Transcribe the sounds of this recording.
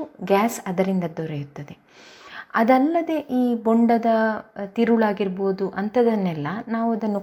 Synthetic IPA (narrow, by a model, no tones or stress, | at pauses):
ɡʲaːsɐd̪ɐɾind̪ɐd̪ɔɾejut̪ːɐd̪e̞ | ɐd̪ɐlːɐd̪e̞ʔiːboɳɖɐd̪ɐt̪iɾuɭaːɡiɾboːd̪uʔɐnt̪ʰɐd̪ɐnːɛlːɐnaːʋuɐd̪ɐnːu